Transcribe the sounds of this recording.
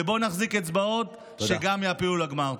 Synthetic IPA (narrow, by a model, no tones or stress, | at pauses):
ebo̞naχziket͡sbao̞t̪ | ʃeɡamjaːpiulaɡmaʁ